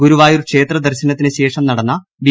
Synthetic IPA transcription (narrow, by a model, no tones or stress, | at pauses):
ɡuɾuʋaːjoɾukʂe̞ːt̪rɐd̪ɐrɕɐnɐt̪ːinɨɕe̞ːʂɐmnɐɽɐnːɐ | bi